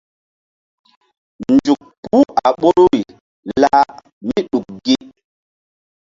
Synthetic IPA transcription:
nd͡ʒu˨k̚pu˦a˨ɓo˦ɾu˦i˨ | la˦ | mi˦ɗu˨k̚ɡi˦

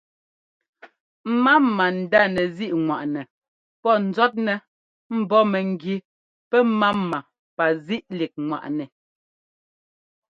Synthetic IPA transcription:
m̩˦ma˦mma˨n̩˨da˦˨nɛ˨zi˦ʔŋwa˨ʔnɛ˨ | pɔ˦˨n̩˨zɔ˦t̚nɛ˨ | m̩˨˦bɔ˦mɛ˨ŋ˨ɡi˨ | pɛ˦ma˦ma˨ | pa˨zi˦ʔli˨k̚ŋwa̰˨ʔnɛ˨

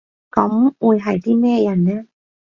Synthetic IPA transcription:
kɔ˧˦m˦ʔu˧˩jɦa˨˩jt̪ʰiː˥˩meː˥˩˨ja˧˩nːɛ˧˥˨

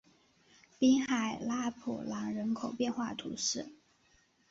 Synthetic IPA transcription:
pi˥ŋxa˨˩ɪla˥pʰṵ˨˩lɑ˧˥ŋɻə˧˥nkʰo˨˩ʊpjɛ˥˧nxwa˥˩t̪ʰṵ˧˥ʂɻ̩˥˩

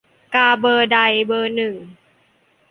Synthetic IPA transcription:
kaː˧˩bɤː˧da˧˩jbɤː˧nɯ˨˩

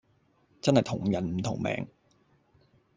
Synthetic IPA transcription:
t͡sɐ˥nhɐ˨jt̪ʰʊ˨˩ŋjɐ˨˥nm̩˨˩˦t̪ʰʊ˨˩ŋmɛ̰ː˨ŋ

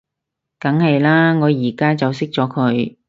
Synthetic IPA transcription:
kɐ˨˥ŋhɐ˨jlaː˥ŋɔː˨˧jiː˨˩kaː˥t͡sɐ˨wsɪ˥k̚t͡sɔː˨˥kʰɵ˨˧ɥ

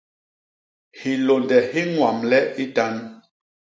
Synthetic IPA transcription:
hi˨lo˨ndɛ˨hi˦ŋwa˨mlɛ˦i˦ta˦n

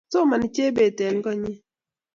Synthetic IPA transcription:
so˦ma˨ni˨t͡ʃe˦be˨tɛ˨n˦kɔ˦ɲi˦

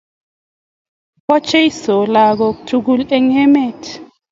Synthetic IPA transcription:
kɔ˦t͡ʃɛ˦i˦sɔ˨la˨k̬ɔ˨k̬utʰu˦k̬u˦lɛ˦ŋɛ˦mɛ˦˨tʰ

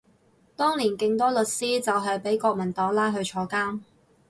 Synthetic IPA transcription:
t̪ɔː˥ŋliː˨˩nkɪ˧ŋt̪ɔː˥lɵ˨t̚siː˥t͡sɐ˨wɦɐ˨jpe˨˥jkɔː˧k̚mɐ˨˩nt̪ɔː˨˥ŋlaː˥jɦɵ˧ɥt͡ʃʰɔː˧˥kaː˥m

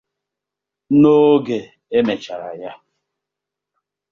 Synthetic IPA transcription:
no˦ɡe˨ | e˦me˨t͡ʃa˨ɾa̰˨ja˦

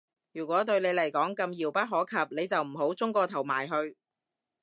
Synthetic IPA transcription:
jyː˨˩kʷɔː˨˥t̪̬ɵ˧ɥne˨˧jlɐ˨˩jkɔː˨˥ŋkɐ˧mjiː˨wpɐ˥t̚ɦɔː˨˥kʰɐ˨p̚ne˨˧jt͡sɐ˨wm̩˨˩ɦo˨˥wt͡sʊ˥ŋkɔː˧t̪ʰɐ˨˩wmaː˨˩jɦɵ˧ɥ

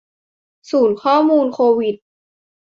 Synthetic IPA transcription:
suː˩˦nkʰɔː˥˩muː˧nkʰoː˧wi˨˩t̪̚

